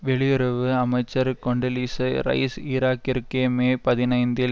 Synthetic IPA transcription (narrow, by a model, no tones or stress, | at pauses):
ʋɛɭɪjʊɾɐʋɯɐmɐɪt͡ʃːɐɾkɔɳɖɐliːsɐɾɐ̰ɪsiːɾaːkɪɾkeːmeːpɐðɪnɐɪnd̪ɪ